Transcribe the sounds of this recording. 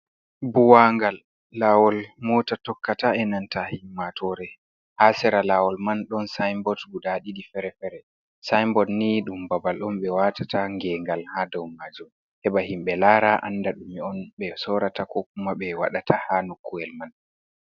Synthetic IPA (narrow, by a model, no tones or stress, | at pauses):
buwaŋɡalː | awɔlmɔːtatɔkːataɛnantahimːatʰɔɾɛ | hasɛɾalawɔlmanɗɔnsajmbɔtɡudaɗiɗifɛɾɛfɛɾɛ | sajmbɔtniɗumbabalɗɔmɓɛwatataŋɡɛŋɡalhadɔwmaːd͡ʒum | hɛɓahimɓɛlaːɾaʔa̰nːdaɗumiɔnɓɛsɔɾatakɔkumaɓɛwaɗatʰahanukːuɛlman